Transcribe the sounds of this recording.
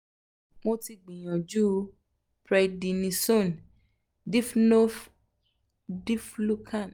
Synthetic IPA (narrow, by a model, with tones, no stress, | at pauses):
mo˧ti˧ɡ͡bĩ˨j̃ã˨d͡ʒu˦ | pɾɛ˧di˧nĩ˧so˦˨n | di˦fno˦f | di˦flu˦kʰã˦˨n